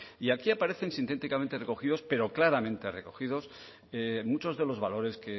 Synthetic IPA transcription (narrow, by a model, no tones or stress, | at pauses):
iakiapaɾe̞θe̞nsint̪e̞t̪ikament̪e̞re̞ko̞xiðo̞spe̞ɾo̞klaɾamẽ̞nt̪e̞re̞ko̞xiðo̞s | emut͡ʃo̞zðe̞lo̞zβalo̞ɾe̞ske